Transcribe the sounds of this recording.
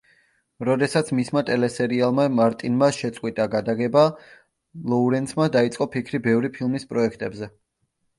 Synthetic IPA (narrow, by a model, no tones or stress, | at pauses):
ɾɔd̪ɛsat̪sʰmismat̪ʼɛlɛsɛɾialˠmamaɾt̪ʼinmaʃɛt̪sʼqʼwit̪ʼaɡad̪aɡɛba | lˠɔuɾɛnt̪sʰmad̪ait̪sʼqʼɔpʰikʰɾibɛvɾipʰilˠmispʼɾɔɛkʰt̪ʼɛbzɛ